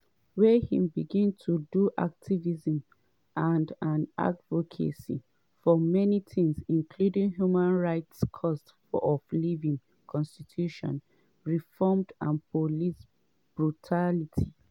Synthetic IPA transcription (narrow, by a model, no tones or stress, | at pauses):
wɛhĩmbiɡĩntʰuduʔa̰k̚tʰivizə̃m | ʔãndãna̰dvokʰḛsḭ | fɔmɛnitʰĩŋsĩŋkʰludĩŋɦjumãnɹaɪtskʰɔst | fɔɔflivĩŋ | kʰɔ̃nstitʰjuʃɔ̰̃n | ɹifɔmdãnpʰolis | b̥ɹutʰalitʰi